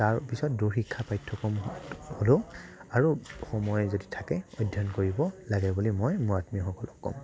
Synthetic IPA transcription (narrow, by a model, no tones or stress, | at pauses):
taɹpisɔt̚duxikʰːapajtʰːɔkɔmholoaɹuxɔmɔjzoditʰakɛɔjdʱjɔnkoɹibɔlaɡɛbulimɔjmʊɹatmixɔkɔlɔkkːɔ̰m